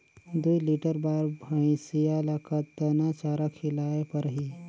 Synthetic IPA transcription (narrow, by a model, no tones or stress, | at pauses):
d̪uiliʈəɾbaɾbʱəɽ̃isijalakʰat̪d̪ənat͡ʃaɾakʰilaepəɾɦiː